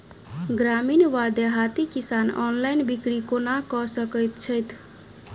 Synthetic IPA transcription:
ɡɾaminwad̪jəɦat̪ikisanɔ̰nlajnbikɽikonakɔsʌkʌjt̪t͡ʃʰʌjt̪ʰ

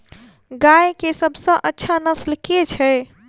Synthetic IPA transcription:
ɡajkesəbʱsə̃ʔətːʃʰanəslket͡ʃʰɛ

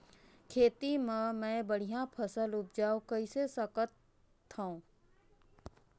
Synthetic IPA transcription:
kʰeːt̪imẽmɛ̃bəɽ̤ijãpʰəsəlʊp̚d͡ʒaːokəisesəkət̪ʰː | ãõ

